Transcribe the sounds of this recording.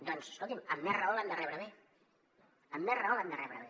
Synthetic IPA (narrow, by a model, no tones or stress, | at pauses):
d̪ɔnseskolˠt̪iməmːɛraoland̪ərɛβɾəβe | əmːɛraoland̪ərɛβɾə̰βe